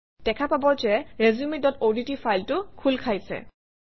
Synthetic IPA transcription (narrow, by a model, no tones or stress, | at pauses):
d̥ɛkʰapabɔt͡ʃɛɹezumidɔtoditifʰajltʊkʰulkʰajsɛ̰